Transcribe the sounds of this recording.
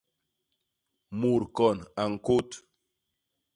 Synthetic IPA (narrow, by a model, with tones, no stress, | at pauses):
mu˨ɾkɔ˨na˨ŋ̩˨ko˦t